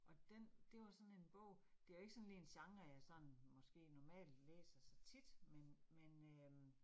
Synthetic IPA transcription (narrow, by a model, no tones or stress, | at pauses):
ʔɒ̽d̥end̥e̝ʋɑ̈sɒ̽ne̝nb̥ɔ̽ʊ̰ | d̥e̝ʋæe̝ɡ̥ə̥sɒ̽nliːe̝nɕɑ̈ŋæjɑ̈ɪsɒ̽nmɒ̽sɡ̥e̝̰ːnɒmɛ̰ːld̥lḛːsɐsɑt͡sʰid̥menmenø